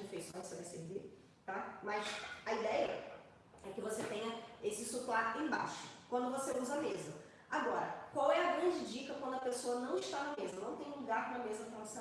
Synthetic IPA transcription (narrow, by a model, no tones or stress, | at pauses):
ẽfejsõj̃sɐdeseɾviɾ | t̪amɐsɐid̪ɛjɐ | ɛkɪvoset̪ẽɲ̃ɐesɪsuklaɾẽba̰ʃʊ̥kwɐ̃nd̪ʊvoseuzɐmezɐ | aɡɔɾɐ̰kwawɛɐɡɾɐ̃d͡ʒɪd͡ʒikɐkwɐ̃nd̪ʊɐpesoɐnɐ̃w̃ɪʃt̪anɐmezɐnɐ̃w̃t̪ẽj̃ũluɡaɾnɐmezɐt̪ɾɐ̃s